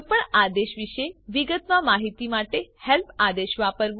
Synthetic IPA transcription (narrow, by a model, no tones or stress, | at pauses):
pəɳad̪eʃʋiʃeʋiɡət̪ʋãmaɦit̪imaʈehɛlpʰad̪eʃʋapəɾʋ